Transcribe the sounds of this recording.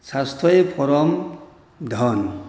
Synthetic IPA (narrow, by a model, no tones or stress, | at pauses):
sast̪ʰɔjpʰɔɾɔm | d̪ʱɔn